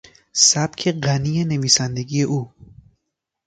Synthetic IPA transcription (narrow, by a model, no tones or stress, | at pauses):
sæb̥cʰe̞ɢæniːene̞viːsænd̪e̞ɡiːje̞ʔuː